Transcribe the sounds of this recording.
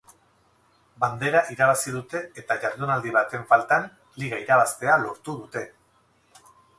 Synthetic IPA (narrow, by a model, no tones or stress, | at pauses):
band̪e̞ɾaʔiɾaβ̞asið̞ut̪e̞et̪aʝaɾðunald̪iβ̞at̪e̞ɱfalt̪an | liɣaiɾaβ̞ast̪e̞alo̞ɾt̪uðut̪e̞